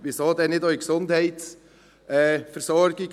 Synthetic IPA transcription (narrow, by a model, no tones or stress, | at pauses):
ʋɪsoːdɛːnɪdœʏksʊndhɛɪt̪s | ɛːfəɾsɔɾɡ̥ɪɡ